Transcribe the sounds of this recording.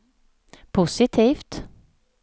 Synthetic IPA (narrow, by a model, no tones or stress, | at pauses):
pʰʊsɪt̪ʰiːft̪